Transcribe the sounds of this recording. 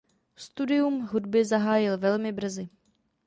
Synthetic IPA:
st̪udɪjumɦudbɪzaɦaːjɪlvɛlmɪbr̩zɪ

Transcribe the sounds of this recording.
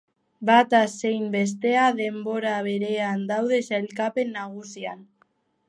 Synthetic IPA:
bat̪asejmbe̞s̬t̪e̞aðe̞mbo̞ɾaβe̞ɾe̞and̪awðe̞salkape̞nːaɣ̞usian

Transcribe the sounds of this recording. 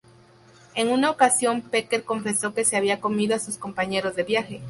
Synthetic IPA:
e̞ŋunao̞kasjo̞mpeke̞ɾko̞ɱfe̞so̞ke̞seaβ̞iako̞miðoasusko̞mpaɲe̞ɾo̞zðe̞βjaxe̞

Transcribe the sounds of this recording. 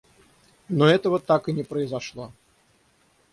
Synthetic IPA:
nɔɛt̪əvət̪akɨnʲɛpɾəizaʂlˠɔ

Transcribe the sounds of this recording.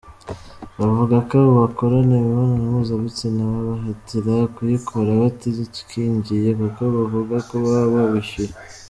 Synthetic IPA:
βavuɡakaβoβako̞ɾaneβiβonanaβuzaβit͡sinaβaβaɦatiɾakujikʰoɾaβatizitu̥kiːɲɟijekuko̞βavuɡakoβaββaβiʃe

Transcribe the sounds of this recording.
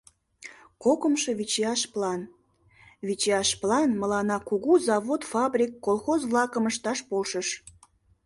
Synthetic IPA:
kokəmʃəβit͡ɕeɑʃplɑn | βit͡ɕeɑʃplɑnməlɑnɑkuɣuzɑβot̪fɑbrʲikːolˠxozvlɑkəməʃt̪ɑʃpolʃəʃ

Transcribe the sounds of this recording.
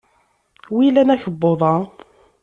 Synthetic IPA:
wilænæçəbːoðˤɑ

